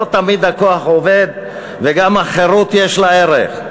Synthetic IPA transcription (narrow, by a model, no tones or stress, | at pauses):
t̪amid̪hakoaχoved̪ | veɡamaχeʁut̪jeʃlaeʁḛχ